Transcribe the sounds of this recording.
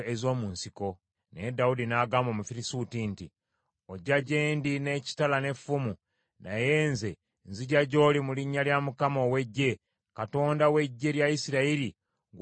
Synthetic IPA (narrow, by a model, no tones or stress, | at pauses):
ezo̞ːmuːnsiko̞ | needaudinaːɡaːmomufiɾisutinti | oɟaɟe̞ːndine̞ːci̥talane̞fumu | naje̞ːnze̞ | nziɟaɟo̞ːlimuliɲːaljamukamo̞ːwe̞ɟːe̞ | kato̞ːndawe̞ɟːe̞ljaisiɾaiɾi | ɡ